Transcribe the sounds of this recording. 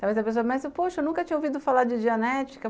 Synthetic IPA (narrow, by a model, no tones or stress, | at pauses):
awvezɐpesoɐmɛ̃sɐpoʃɐewnũkɐt͡ʃĩɲɐovid̪ʊfalaɾd͡ʒɪd͡ʒiɐnɛt͡ʃi̥kɐ